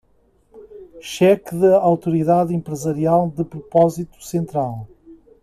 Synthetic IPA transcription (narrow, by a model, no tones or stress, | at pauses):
ʃɛkðɐawt̪uɾiðaðẽmpɾɨzɐɾialˠd̪ɨpɾupɔzit̪u̥sẽnt̪ɾalˠ